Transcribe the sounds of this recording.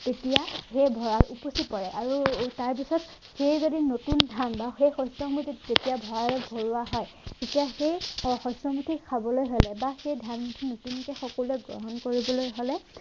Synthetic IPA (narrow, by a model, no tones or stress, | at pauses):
tetijaxejbʱɔɹaɹuposipɔɹɛʔaɹutaɹp̬isɔt | xejzodinotundʱambaxejxɔsɔmmutʰizetijabʱɔɹaɹɔbʱoɹuwaɦɔj | tetijaxejɔxɔsɔmutʰikʰːabɔlojɦɔlɛbaxejdʱammutʰinotunkɛxɔkɔluɛɡɹɔ̰ɦɔnkoɹibɔlojɦolɛ